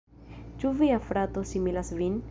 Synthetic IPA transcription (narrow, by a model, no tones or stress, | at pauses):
t͡ʃuviafɾat̪osimilasvin